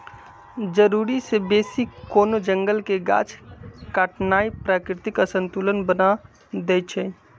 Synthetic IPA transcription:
d͡ʒəɾuːɾisebeːsikoːnod͡ʒə̃ŋɡəlkeɡa̰ːt͡ʃkaːʈʰnaːipɾaːkɾɪt̪ɪkəsə̃nt̪uːlənbəna | d̪eːt͡ʃʰɛ

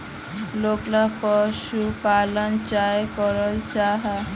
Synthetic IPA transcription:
loklapəʃupalənt͡ʃajkəɾəlt͡ʃaɦa

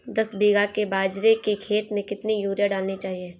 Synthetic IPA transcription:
d̪ɐsbiːɡakebaːd͡ʒɾekekʰeːt̪mẽkɪt̪nijuːɾjaɖaːlnit͡ʃaːɦieː

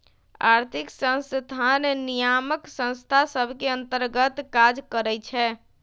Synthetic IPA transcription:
a̰ɾt̪ʰiksə̃sd̪ʱannijaməksə̃ñst̪ʰasəbʱkeə̃nt̪əɾɡət̪kad͡ʒkəɾɛt͡ʃʰɛ

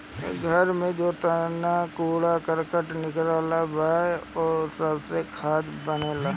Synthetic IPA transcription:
ɡʱəɾmẽd͡ʒoːt̪ənakuːɽakəɾkəʈnɪkɾaːlabaːeɔːsəbsekʰaːd̪bəneːlaː

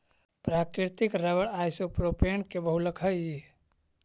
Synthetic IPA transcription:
pɾaːkɾiɾt̪ikɾəʋəɽajsopɾopeɳkebəɦuləkʰəi

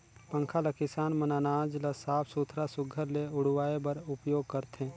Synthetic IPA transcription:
pə̃ŋkʰaləkɪsaːnmɐnaːnaːd͡ʒləsaːpʰsut̪ʰɾasʊɡʱəɾleʊɽ̤waːebɐɾʊpjoːɡ̚kɐɾt̪ẽː

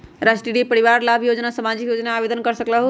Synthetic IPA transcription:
ɾasʈiɽipəɾiʋaɾlabʱjod͡ʒnasəmad͡ʒikjod͡ʒnaːbed̪ənkəɾsəklaɦ

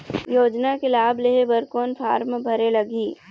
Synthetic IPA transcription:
joːd͡ʒnakelaːbleɦebəɾkoːnpʰa̰ːɾmbʱɐɾelɐɡiː

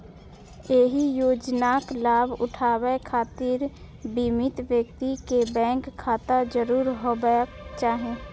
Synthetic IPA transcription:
eːɦijoːd͡ʒnaːklaːbʱʊ̰ʈʰaːwekʰaːt̪iːɾ | bimɪt̪ʋjək̚t̪ikebɛ̃ːŋkʰːaːt̪ad͡ʒəɾuːɾɦobə | t͡ʃaːɦẽː

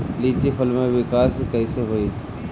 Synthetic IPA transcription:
liːt͡ʃipʰəlmẽʋɪkaːskəiseɦoiː

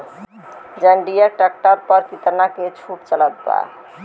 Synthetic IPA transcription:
d͡ʒəɳɖijəʈak̚ʈaɾpəɾkit̪əɾnaket͡ʃʰuʈt͡ʃələt̪̚ba̰

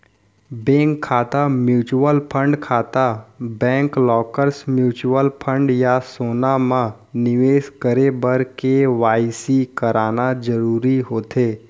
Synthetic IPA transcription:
bɛ̃ːŋkʰːaːt̪amjuːt͡ʃuəlpʰə̃ɳɖkʰaːt̪abɛ̃ːŋklɔːkəɾsmjuːt͡ʃuwəlpʰə̃ɳɖjasoːnamã | nɪʋeːskəɾebəɾkeʋaːɪsikəɾaːnad͡ʒəɾuːɾiɦoːt̪eː

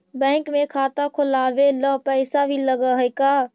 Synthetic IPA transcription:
bɛ̃ːŋkmẽkʰaːt̪akʰʊlaːʋeləpɛɪsabʱiləɡəɦjkaː

